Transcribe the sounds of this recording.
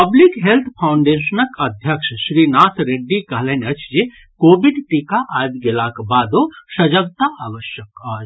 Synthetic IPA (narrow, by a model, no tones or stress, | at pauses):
pɐblikɦelt̪ʰpʰawɳɖeːʃənəkɐd̪ʱjəkʂʃɾinaːsɾeɖːikɐɦlenɐt͡ʃʰd͡ʒe | koːbiɖʈikaʔajd̪ɡelakbaːd̪osɐd͡ʒəɡt̪aʔaːʋəʃjəkaːd͡ʒ